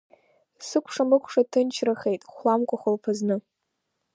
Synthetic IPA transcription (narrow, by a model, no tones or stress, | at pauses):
sɨkʷʰʂamɨkʷʰʼʂatʰɨnt͡ʃʰraχe̞jtʼχʷlamkʷʼaχʷalpʰaznɨ